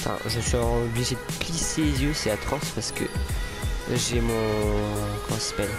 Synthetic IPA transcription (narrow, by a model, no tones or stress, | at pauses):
fɛ̰̃ʒʃiɑ̃ɔbliʒed̪əkliselezjøsɛat̪χɔspaʁsə̥kə̰ | ʒemɔ̃ | kɔmɑ̃sasḁpɛl